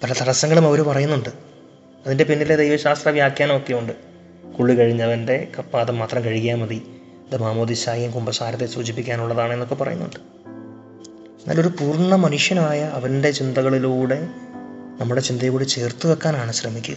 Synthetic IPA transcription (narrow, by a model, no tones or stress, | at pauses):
pɐlɐt̪ʰɐɽɐsɐŋːɐɭumɐʋɐɾupɐrɐjunːuɳɖɨ | ɐðinde̞pinːiled̪ejʋɐɕaːst̪rɐʋjaːkjaːnmokːjɐuɳɖɨ | kuɭːikɐɻiɲːɐɐʋɐnde̞kɐpːaːðɐmːaːt̪rɐmkɐɻikːaːnmɐði | ɐðɨmaːmoːðisaːjijumkumbɐsaːɾɐt̪ːesuːd͡ʑipːikʲːaːnuɭːɐðaːɳe̞nːokːe̞pɐrɐ̰junːṵɳɖɨ | enːa̰ːlo̞ɾupuːrɳɐmɐnuʂjɐnaːjɐːʋɐnde̞t͡ɕind̪ɐɣɐɭiluːɽe̞ | nɐmːuɽe̞t͡ɕind̪ɐjkuːɽet͡ɕe̞ːrt̪ːuʋekːaːnaːɳɨɕrɐmikʲːṵɣ